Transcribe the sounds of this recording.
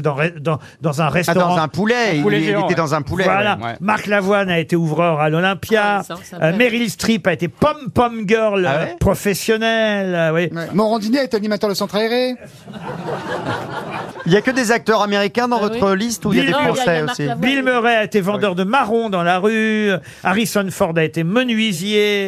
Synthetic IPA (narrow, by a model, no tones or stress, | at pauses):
d̪ɑ̃ʁɛd̪ɑ̃ | d̪ɑ̃zɛ̃ʁɛst̪ɔɑ̃ʁɑ̃ɛ̃pulɛieɛd̪ɑ̃zɛ̃pulɛvwalamaʁklavwanaet̪euvʁœʁalɔlɛ̃pjameʁilst̪χipaet̪epɔmpɔmɡœʁlpχɔfɛsjɔnɛlwijmɔʁɑ̃d̪ineaet̪eanimat̪œʁd̪əsɑ̃t̪χaɛʁe | iljakəd̪ezak̚t̪œʁameʁikʲɛ̃d̪ɑ̃vɔt̪χəlist̪uiljadefɔ̃sɛosibilmøʁɛaet̪evɑ̃d̪œʁd̪əmaʁɔ̃d̪ɑ̃laʁy | aʁisɔnfɔʁd̪aet̪emənɥizje